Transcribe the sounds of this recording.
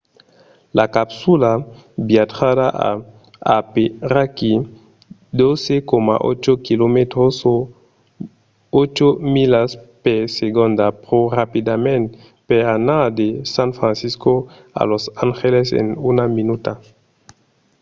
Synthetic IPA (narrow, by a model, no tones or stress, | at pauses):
lakapsula | biat̪adaʔa̰ | a̰peraki | d̪osekoma̰ʔo̰t͡ʃokilomet̪ɾoso | ot͡ʃomilaspeseɣond̪apɾorapid̪amẽn | peanad̪esãnfɾãnsisko | a̰losaŋxelesḛnunaminut̪a